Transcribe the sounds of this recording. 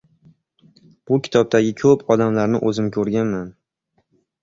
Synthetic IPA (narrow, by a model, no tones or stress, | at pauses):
b̥ʊkʲʰɪ̥t̪ʰɒb̚d̪aɡʲɪkʰɵpʰɒd̪amlaɾnɪ̰ʔɵzɪmkʲʰɵɾɡʲanman